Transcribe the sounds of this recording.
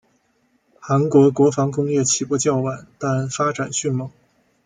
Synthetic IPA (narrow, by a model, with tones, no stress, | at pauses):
xa˧˥nkwɔ˧˥kwɔ˧˥fɑ˧˥ŋkʊ˥ŋjɛ˥˩t͡ɕʰi˨˩pwɔ˥˧t͡ɕjɑ˥˩ʊwa˨˩˦nt̪a˥˩nfa˥ʈ͡ʂa˨˩nɕy˥˩nmɤ˧˥˦ŋ